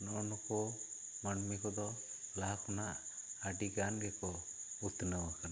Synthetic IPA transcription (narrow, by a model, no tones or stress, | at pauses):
nɔnɔkɔ | manmikɔd̪ɔlakʰɔnaʔaɖiɡanɡɛkɔ | ut̪nəwakan